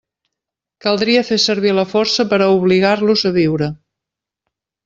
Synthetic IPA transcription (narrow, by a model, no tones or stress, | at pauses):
kəlˠd̪ɾiəfesəɾβ̞iləfɔɾsəpəɾəuβ̞liɣ̞arluzəβiwɾə